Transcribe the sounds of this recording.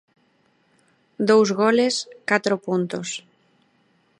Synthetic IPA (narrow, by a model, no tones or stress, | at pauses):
d̪owzɣoleskat̪ɾopunt̪os